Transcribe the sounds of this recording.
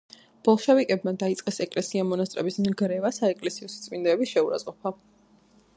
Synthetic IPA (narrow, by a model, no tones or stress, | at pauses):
b̥ɔlˠʃɛvikʼɛbmad̪ait̪sʼqʼɛsɛkʼlɛsiamɔnast̪ʼɾɛbismɡɾɛvasaɛkʼlɛsiɔst̪sʼmind̪ɛbisʃɛuɾa̰zʼqʼɔpʰa